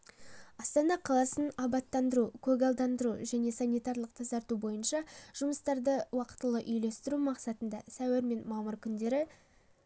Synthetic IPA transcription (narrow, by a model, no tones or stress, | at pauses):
ɑst̪ɑnɑqʰɑlˠɑsənɑbɑt̪ːɑnd̪əɾukʲʰɵɡɑlˠd̪ɑnd̪əɾuʒæne̞sanijt̪ɑɾlˠəq̚t̪ʰɑzɑɾt̪ubo̞jənʃɑʒ̥ʊməst̪ɑɾd̪əwɑqə̥t̪ːəlˠəʔʏjle̞st̪ɪɾumɑqsɑt̪ənd̪ɑsæweɾme̞nmɑməɾkʲʰʏnd̪e̞ɾɪ